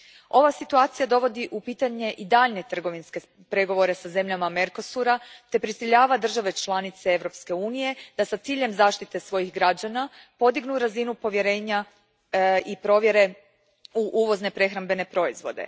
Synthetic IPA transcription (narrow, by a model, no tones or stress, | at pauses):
o̞ʋasit̪uaːt̪sijad̪o̞ʋo̞d̪iʔupiːt̪aɲe̞ʔid̪aːʎne̞t̪r̩ɡo̞ʋinske̞ | pɾe̞ɡo̞ʋo̞ɾe̞saze̞mʎamame̞ɾko̞suɾat̪e̞pɾisiʎaːʋad̪r̩ʒaʋe̞t͡ʃlˠanit̪se̞e̞ʋɾo̞pske̞uːnije̞d̪̥asat̪siːʎe̞mzaːʃt̪it̪e̞sʋo̞jixɡɾad͡ʑana | po̞d̪iɡnuɾazinupo̞ʋje̞ɾe̞ːɲa | ipɾo̞ʋje̞ɾe̞ | uʔuːʋo̞zne̞pɾe̞xɾambe̞ne̞pɾo̞izʋo̞̰d̪e̞̰